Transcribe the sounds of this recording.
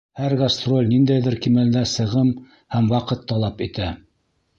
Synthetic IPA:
hæɾɡast̪ro̞lʲnind̪æjðɘɾkimæld̪æsɤ̆ʁɤm | hæmwɑqɤt̪ːɑlˠɑpit̪æ

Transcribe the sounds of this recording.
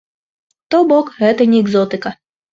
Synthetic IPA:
t̪ɔbɔkɣɛt̪ɐnʲiɛɡzɔt̪ɨkɐ

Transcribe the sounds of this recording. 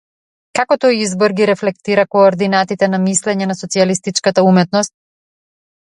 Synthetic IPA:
kakɔt̪ɔjizbɔɾɡiɾɛflɛk̚t̪iɾakɔːɾd̪inat̪it̪ɛnamislɛɲɛnasɔt̪sialist̪it͡ʃkat̪aumɛt̪nɔst̪̚

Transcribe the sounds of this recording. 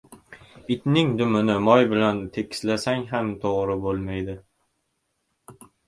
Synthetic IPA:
ɪt̪nɪŋd̪ʊmɪnɪmɒjbɪlant̪ʰe̞kʲɪ̥slasaŋɦamt̪ʰoʁɾɪbolˠmajd̪ɪ

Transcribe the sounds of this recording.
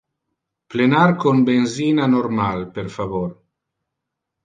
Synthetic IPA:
plenaɾkonbenzinanoɾmalpeɾfavoɾ

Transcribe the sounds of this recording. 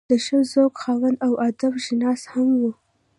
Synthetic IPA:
d̪̥əʃəzoɡxɑwand̪awʔad̪abʒɪnɑshamwu

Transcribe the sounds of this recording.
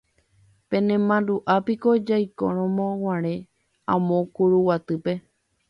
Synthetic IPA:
pẽ̞nẽmãnd̪uʔapiko̞d͡ʒajko̰ɾ̃õmõw̃ãɾ̃ẽ | ãmõkuɾuwat̪ɨpe̞

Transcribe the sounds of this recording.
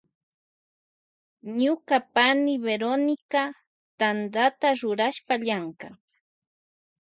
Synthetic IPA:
ɲʊkapanɪbeɾonɪka | t̪and̪at̪aɾʊɾaʃpaʎaŋka

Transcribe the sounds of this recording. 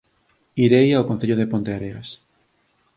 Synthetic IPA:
iɾejaokõn̟θeʎoðepont̪eaɾeas

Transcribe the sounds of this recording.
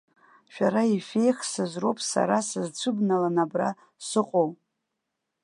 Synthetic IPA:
ʃᶣaɾaife̞jχsɨzro̞wpʼsa̰ɾasɨzt͡sʷʰɨbnalanabra̰ | sɨqʼow

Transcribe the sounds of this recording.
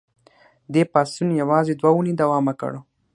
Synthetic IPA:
d̪epɑsunjawɑzed̪wauned̪awɑmakə̰ɽo

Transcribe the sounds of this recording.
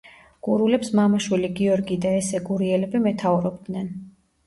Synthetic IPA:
ɡ̥uɾulɛpsmamaʃwiliɡiɔɾɡid̪aɛsɛɡuɾiɛlɛbimɛt̪ʰavuɾɔb̚d̪nɛn

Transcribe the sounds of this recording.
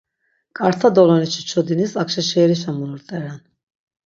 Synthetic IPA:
kʼaɾt̪ʰad̪ɔlɔnit͡ʃʰi̥t͡ʃʰɔd̪inisakʃaʃɛːɾiʃamuɾuɾt̪ʼɛɾɛn

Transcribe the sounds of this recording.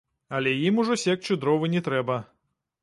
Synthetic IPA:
ɐlʲɛjimuʐɔsʲɛk̚t͡ʃud̪ɾɔvɨnʲɛt̪ɾɛbɐ

